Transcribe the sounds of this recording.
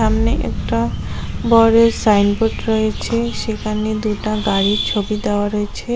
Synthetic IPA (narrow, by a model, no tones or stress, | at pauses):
amneʔɛ̰k̚ʈa | bɔɾeɾsajnpoʈɾɔjet͡ɕʰeʃekʰaned̪uʈaɡaɽiɾt͡ɕʰobid̪eoaɾɔet͡ɕʰe